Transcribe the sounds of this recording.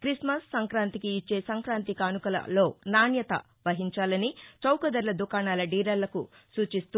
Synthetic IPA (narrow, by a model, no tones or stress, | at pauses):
kɾismɐsːɐŋkɾaːnt̪ikiːt͡ʃːe̞ːsɐŋkɾaːnt̪ikaːnukɐlɐ̰lo̞ːnaːnjɐt̪ɐ̰ | ʋɐɦiɲt͡ʃaːlɐnit͡ʃɐwkɐd̪ɐɾlɐd̪ukaːnaːlɐɖiːɾɐlːɐku | suːt͡ʃist̪u